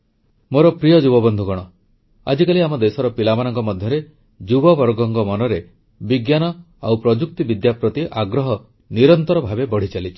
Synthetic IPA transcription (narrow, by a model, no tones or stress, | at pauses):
moɾɔpɾijɔd͡ʒubɔbɔnd̪ʱukɔɽ̃ɔ | a̰d͡ʒikaliamɔd̪esɔɾɔpilamanɔŋkɔmɔd̪ʱjɔɾe | d͡ʒubɔbɔɾɡɔŋkɔmɔnɔɾe | biɡjanɔ | a̰wpɾɔd͡ʒuk̚t̪ibid̪japɾɔt̪iʔaɡɾɔɦɔ | niɾɔnt̪ɔɾɔbʱabebɔɽ̤it͡ʃalit͡ʃʰi̥